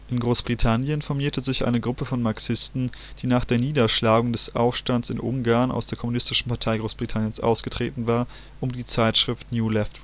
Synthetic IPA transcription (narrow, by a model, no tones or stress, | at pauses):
ʔɪnɡʁoːsb̥ʁ̥itʰanjənfɔɐmiːɐtʰəzɪçʔa̰ɪnəɡʁʊpəfɔnmaɐksɪstn̩ | d̥iːnaːχd̥eːɐniːdɐʃlaːɡʊŋdɛsʔa̰ʊfʃtantsɪ̰nʔʊ̰ŋɡaɐnʔa̰ʊsd̥eːɐkʰɔmunɪstɪʃn̩pʰaɐtʰaɪɡʁoːsb̥ʁitʰanjənsʔa̰ʊsɡ̥ətʁ̥ḛːtn̩vaːɐ | ʔʊmdiːt͡saɪtʃʁ̥ɪftnjuːlɛft